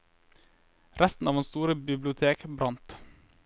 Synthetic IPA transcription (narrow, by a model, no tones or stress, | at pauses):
ɾʔæst̪n̩ɑːʋɛnst̪uːɾəbɪblɪʊt̪ʰeːkbɾɑnt̪